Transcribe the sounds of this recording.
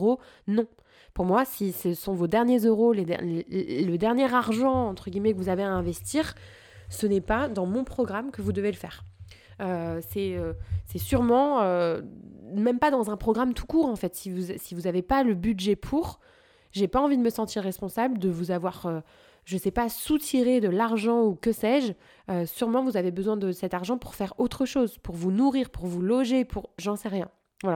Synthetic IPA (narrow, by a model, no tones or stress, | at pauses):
ʁonɔ̃ | puʁmwasisəsɔ̃vod̪ɛʁnjezøʁoled̪̰ləd̪ɛʁnjɛʁaʁʒɑ̃ɑ̃t̪χəɡʲimɛkəvuzaveaɛ̃vɛst̪iːʁ | sənɛpad̪ɑ̃mɔ̃pχɔɡʁamkəvud̪əveləfɛːʁ | øsɛøsɛsyʁmɑ̃ø | mɛmpad̪ɑ̃zɛ̃pχɔɡʁamt̪ʰu̥kuːʁɑ̃fɛt̪sivuzsivuzavepaləbyd̪ʒɛpʰuʁ | ʒepaɑ̃vid̪əməsɑ̃t̪iʁːɛspɔ̃sabld̪əvuzavwaʁø | ʒəsɛpasut̪ʰiʁed̪əlaʁʒɑ̃ukəsɛʒ | øsyʁmɑ̃vuzavebəzwɛ̃d̪əsɛt̪aʁʒɑ̃puʁfɛʁot̪χəʃozpuʁvunuʁiːʁpuʁvulɔʒepʰuʁʒɑ̃sɛʁjɛ̃ | vwala